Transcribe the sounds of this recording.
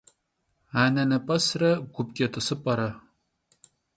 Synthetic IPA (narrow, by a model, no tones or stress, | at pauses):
aːnɐnɐpʼɐsrɐɡʷupkʲet̪ʰɨsɨpʼɐɾɐ